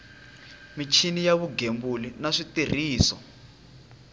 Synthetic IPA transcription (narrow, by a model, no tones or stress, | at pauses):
mit͡ʃʰinijaβuɡembulinaʂitir̤iːsɔ